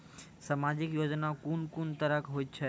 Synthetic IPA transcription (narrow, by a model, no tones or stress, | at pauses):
səmaːd͡ʒɪkjoːd͡ʒnakunkuːnt̪əɾəkɦoːit͡ʃʰɛ